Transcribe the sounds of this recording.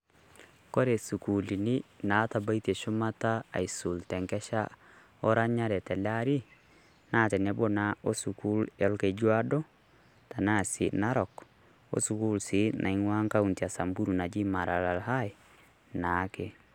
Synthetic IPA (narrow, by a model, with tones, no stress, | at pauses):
ko˦ɾe˨su˨ku˨li˨ni˦na˨˦ta˨ba˦i˦te˨ʃʊ˦ma˦taa̰˨i˨su˨ltɛ˨ŋkɛ˦ʃa̰˦ | ɔ˦ɾa˦ɲa˦ɾɛ˨tɛ˨la˦ɾi˦ | na˦tɛ˨nɛbo˦nao˦su˨ku˦lɛ˦lke˨d͡ʒwa˦do˦ | ta˨na˦sḭna˦ɾɔ˨k | o̰˦su˨ku˦lsi˦nʔa̰˨iŋwa˦ŋka˦untia˨sa˨mbu˦ɾu˨na˨d͡ʒi˦ma˨ɾa˨la˨lɦa˦ | na˨˦ke˨